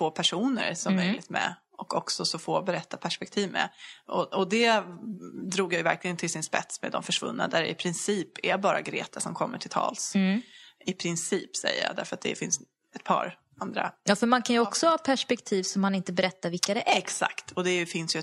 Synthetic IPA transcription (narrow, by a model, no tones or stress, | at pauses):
foːpʰæʂuːnə̰ɾsɔmmːœjlɪɡt̪mɛ̰ | ɔkɔksɔsɔfoːbɛɾɛt̪ːapʰæʂpɛk̚t̪ʰiːvmɛ̰ɔɔd̪ɛ | d̪ɾuːɡjajʏvæɾklɪɡənt̪ʰɪlsɪnspɛt̪smɛ̰d̪ɔmfœʂvɵ̰nːa̰d̪æɾɪ̰pʰɾɪnsiːpʰɛbɑːɾa̰ɡɾḛːt̪ʰasɔmkʰɔmːəʈʰɪlt̪ʰɑ̰ːls | ɪpʰɾɪnsiːpsɛ̰jːə̰jɑ̰ːd̪æɾfœɾat̪̚d̪ɛ̰fɪns | ɛt̪̚pʰɑ̰ːɾ | and̪ɾa̰jɑːfœɾmankʰanjəɔksɔhɑːpʰæʂpɛkt̪ʰiːvsɔmːanɪnt̪əbɛɾɛt̪ːaɾvɪlkkad̪ɛʔɛksa̰kt̪ɔd̪ɛfɪnsjɵ